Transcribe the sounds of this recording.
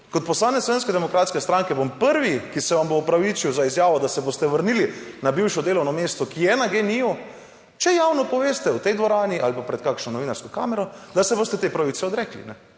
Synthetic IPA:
kot̪̚pɔslaːnɛsloʋeːnskɛd̪ɛmɔkɾaːt̪skɛst̪ɾaŋkɛbompəɾʋikisɛʋamboupɾaʋit͡ʃiwzaizjaːʋɔd̪asɛboːst̪ɛʋəɾnilinabiwʃɔd̪eːlɔwnɔmeːst̪ɔkijɛnaɡeniɔ | t͡ʃɛjaːwnɔpɔʋeːst̪ɛut̪ɛjd̪ʋɔɾaːniʔalpapɾɛt̪̚kakʃnɔnɔʋiːnaɾskɔka̰ːmɛɾɔd̪asɛboːst̪ɛt̪epɾaʋit̪sɛɔd̪ɾɛklḭnɛ

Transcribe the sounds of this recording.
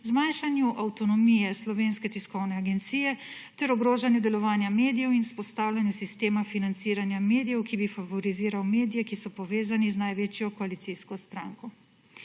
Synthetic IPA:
zmajnʃanjuʔawt̪ɔnɔmijɛslɔʋeːnskɛt̪iskɔwnɛaɡɛnt̪siːjɛt̪ɛɾɔɡɾoːʒanjud̪ɛlɔʋaːnjameːd̪ijɛwinspɔst̪aːwlʲjanjusist̪eːmafinant̪siːɾanjameːd̪ijɛwkibifavɔɾiziːɾawmeːd̪ijɛkisɔpɔʋeːzaniznajʋeːt͡ʃjɔkɔalit̪siskɔst̪ɾaŋkɔ

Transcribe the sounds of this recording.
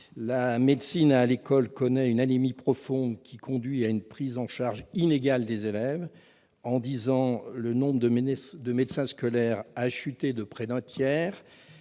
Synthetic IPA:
lamed̪sinalekɔlkɔnɛynanimipχɔfɔ̃d̪kʲikɔ̃d̪ɥiaynpχizɑ̃ʃaʁʒineɡald̪ezelɛv | ɑ̃d̪izɑ̃lənɔ̃bʁəəd̪əmed̪sɛ̃skɔlɛʁaʃyt̪ed̪əpχɛd̪ɛ̃t̪jɛːʁ

